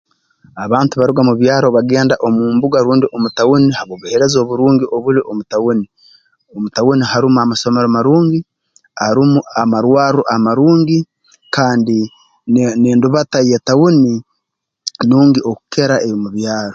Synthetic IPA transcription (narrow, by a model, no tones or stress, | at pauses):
aβaːntuβaɾuɡamuβjaːɾoβaɡe̞ːndaʔomuːmbuɡaɾuːndiʔomutawunihaβoβuheɾe̞zo̞ːβuɾuːŋɡiʔo̞βuliʔomutawuni | omutawunihaɾumuamaso̞meɾomaɾuːŋɡi | aɾumuamaɾwaːɾuʔamaɾuːŋɡi | kaːndi | neːnduβataje̞tawuni | nuːŋɡioku̥ke̞ɾaʔejomuβjaːɾo